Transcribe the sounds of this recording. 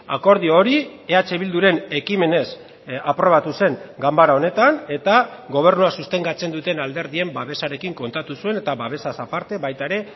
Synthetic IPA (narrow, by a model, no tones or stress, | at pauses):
a̰ko̞ɾð̞ioːɾie̞at͡se̞β̞ild̪uɾe̞ne̞kime̞ne̞s | apɾo̞β̞at̪use̞ŋɡambaɾao̞ne̞t̪ane̞t̪aɡo̞β̞e̞rnuasust̪e̞ŋɡat͡se̞nd̪ut̪e̞nald̪e̞ɾðie̞mbaβe̞saɾe̞kiŋko̞nt̪at̪usue̞ne̞t̪aβaβ̞e̞sasapaɾt̪e̞βajt̪aeɾe̞